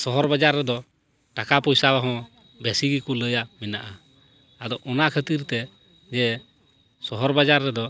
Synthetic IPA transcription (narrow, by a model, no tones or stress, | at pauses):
sɔɦɔɾbad͡ʒaɾːɛd̪ɔ | ʈakapɔjsabaɦɔ̃ | bɛsiɡikuləjamɛnaʔa | ad̪ɔʔɔnaʔkʰət̪iɾt̪ɛ | d͡ʒɛ | sɔɦɔɾbad͡ʒaɾːɛd̪ɔ